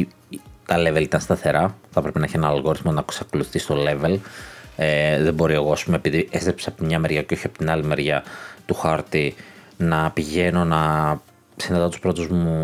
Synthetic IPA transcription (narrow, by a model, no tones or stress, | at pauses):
t̪ɐleve̞lit̪ɐnst̪ɐθe̞ɾɐθɐpɾe̞penɐeçienɐnɐlɣo̞ɾiθmonɐksɐkoluθist̪o̞le̞ve̞leðebo̞ɾie̞ɣo̞ɐspumeepiðiʔest̪ɾepsɐpot̪imɲɐme̞ɾʝɐceo̞çiɐpot̪inɐlime̞ɾʝɐt̪uxɐɾt̪i | nɐpiʝe̞no̞nɐ | sinɐðɐt̪uspɾo̞t̪uzmu